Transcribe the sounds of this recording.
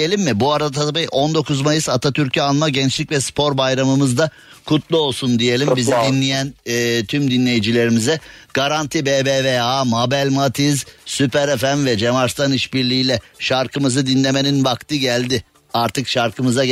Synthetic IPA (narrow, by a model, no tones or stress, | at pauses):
elʲimːɪbuaɾaaabiʔo̞nd̪o̞kʰuzmajɯsat̪ʰat̪ʰyɾcʰianˠmaɟɛnt͡ʃlʲicvɛspʰo̞ɾbajɾamɯmɯzd̪a | kʰut̪lˠuo̞lˠsund̪ije̞lʲimbizid̪inlʲijænːt̪ʰymd̪inlʲe̞jid͡ʒilʲe̞ɾimizɛɡ̥aɾant̪ʰibebeveamabælʲmat̪ʰizsypʰæɾefænvɛd͡ʒemaɾst̪ʰaniʃbiɾlʲiiːlʲɛʃaɾkʰɯmɯzɯd̪inlʲe̞me̞ninbakt̪ɯɟælʲd̪ɪ | aɾt̪ʰɯkʃaɾkʰɯmɯza